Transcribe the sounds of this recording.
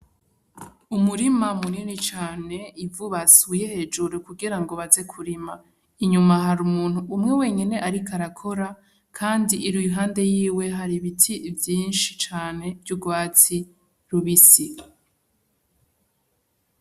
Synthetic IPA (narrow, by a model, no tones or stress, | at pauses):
umuɾimamuninit͡ʃaːne̞ivuβasuje̞he̞d͡ʒuɾukuɡiɾaŋɡoβaze̞kʰuɾima | iɲumaɦaɾumuːn̥huʔumŋe̞we̞ɲine̞ʔaɾikʰaɾakʰo̞ɾa | kʰaːndiʔiɾujuɦaːnde̞jiːwe̞ɦaɾiβitʰivjiːnʃit͡ʃaːne̞vjuɡwaːt͡si | ɾuβisi